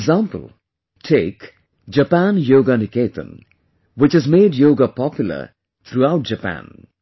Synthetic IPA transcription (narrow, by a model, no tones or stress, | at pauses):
ɡzãːmpə̰lˠ | ʈʰeːk | d͡ʒəpæ̃njoːɡanɪkeːt̪ʰə̰̃n | wɪt͡ʃɨzmeːɖjoːɡapɔpjʊlə̰ | t̪ʰɾuaʊʈ̚d͡ʒəpæ̰̃n